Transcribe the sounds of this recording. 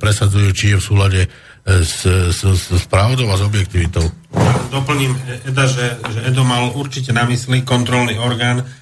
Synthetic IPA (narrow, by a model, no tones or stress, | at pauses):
pɾɛsad͡zujuːt͡ʃijɛfsuːlaɟɛ | sssspɾaʊd̪ɔʊazɔbjɛk̚t̪iʋit̪ɔʊjad̪ɔpl̩ɲiːmɛd̪aʒɛʒɛɛd̪ɔmalʔuɾt͡ʃicɛnaʋisliːkɔnt̪ɾɔlniːɔɾɡaːn